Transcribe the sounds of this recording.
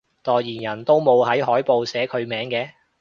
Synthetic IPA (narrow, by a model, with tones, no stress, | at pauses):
t̪ɔː˨jjiː˨˩njɐ˨˩nt̪o˥wmo˨˧whɐ˨˥jɦɔː˨˥jpo˨˧wsɛː˨˥kʰɵ˨˧ɥmɛː˨˥ŋkɛː˧